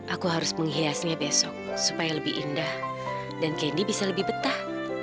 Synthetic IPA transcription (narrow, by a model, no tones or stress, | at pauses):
ʔakuɦaɾʊsməŋɦiasɲabesɔk̚supajaləbɪʔḭndah | dankɛndibisaləbɪhbət̪ah